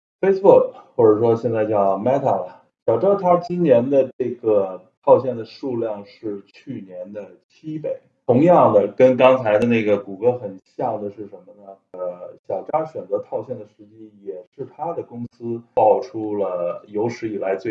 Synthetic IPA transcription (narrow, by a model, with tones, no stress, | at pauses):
fe˥ɪsbu˥˩k̚xwɔ˥˩ʈ͡ʂə˨˩ʂwɔ˥ɕ̬jɛ˥˧nt͡sa˥˧ɪt͡ɕjɑ˥˩ʊma˥ɪt̪ʰa˥˩lɐ˨˩ | ɕjɑ˨˩ʊʈ͡ʂa˥t̪ʰa˥t͡ɕi˥nnjɛ˧˥nd̪ə˧ʈ͡ʂe˥˩ɡə˩t̪ʰɑ˥˧ʊɕ̬jɛ˥˩nd̪ə˩ʂu˥˧ljɑ˥˧ŋʂɻ̩˥˧t͡ɕʰy˥˩njɛ˧˥nd̪ə˧˨t͡ɕʰi˥pe˨˧˩ɪt̪ʰʊ˧˥ŋjɑ˥˩ŋd̪ə˩kə˥nkɑ˥ŋt͡sʰa˧˥ɪd̪ə˧na˥˩ɡə˩ku˨˩kɤ˧˥xə˨˩nɕja˥˩d̪ə˩ʂɻ̩˥˩ʂə˧˥nmə˧nə˩˧ | ɕjɑ˨˩ʊʈ͡ʂa˥ɕɥɛ˨˩nt͡sɤ˧˥t̪ʰɑ˥˧ʊɕjɛ˥˩nd̪ə˩ʂɻ̩˧˥t͡ɕi˥˩jɛ˨˩ʂɻ̩˥˩t̪ʰa˥d̪ə˨kʊ˥ŋsɹ̩˥pɑ˥˩ʊʈ͡ʂʰu˥lə˨jo˧˥ʊʂɻ̩˧˥i˨˩la˧˥ɪt͡swe˥˩